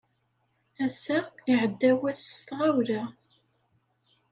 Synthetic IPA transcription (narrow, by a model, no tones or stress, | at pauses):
æsæiʕəd̪ːæwæsst̪ʁawɾæ